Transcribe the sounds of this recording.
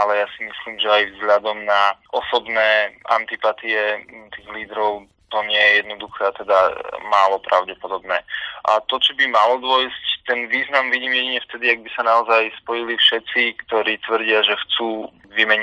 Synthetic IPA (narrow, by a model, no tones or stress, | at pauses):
alɛjasimisliːmʒɛajvzɦʎad̪ɔmnaʔɔsɔbnɛːʔa̰nt̪ipat̪iɛt̪iːɣliːd̪ɾɔʊ | t̪ɔɲɪɛjɛjɛd̪nɔd̪uxɛːat̪ɛd̪amaːlɔpɾʔaʊɟɛpɔd̪ɔbnɛːʔa̰t̪ɔt͡ʃɔbimalɔd̪ʊɔjsct̪ɛnʋiːznamʋiɟiːmjɛɟiɲɛft̪ɛd̪iaɡ̚bisanaɔzajspɔjilifʃɛtt͡sikt̪ɔɾiːt̪ʋər̩ɟɪaʒɛxt͡suː | ʋimɛɲ